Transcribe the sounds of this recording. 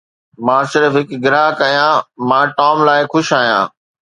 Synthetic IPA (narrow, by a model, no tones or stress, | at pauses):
mãːsɪɾfɦɪkɡɪɾaːɦkɐjãːmãːʈaːmlaːɪxʊʃaːɦjã̰ː